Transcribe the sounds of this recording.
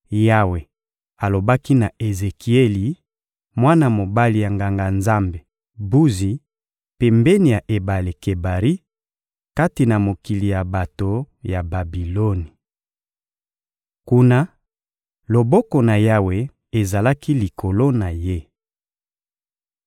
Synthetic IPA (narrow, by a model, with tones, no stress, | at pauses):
ja˦we˨ | a˨lo˨ba˦ki˦na˨ʔe˨ze˨ki˨e˦li˨ | mwa˦na˨mo˨ba˦li˨ja˨ŋɡa˨ŋɡa˨nza˦mbe˨ | bu˦zi˨ | pe˨mbɛ˦ni˨ja˨ʔe˨ba˨le˨ke˨ba˨ʁi˦ | ka˦ti˨na˨mo˨ki˨li˨ja˨ba˨to˨ | ja˨ba˨bi˨lo˦ni˨ | ku˦na˦ | lo˨bɔ˦kɔ˨na˨ja˦we˨ | e˨za˨la˦ki˦li˨kʰo˨lo˦na˨je˦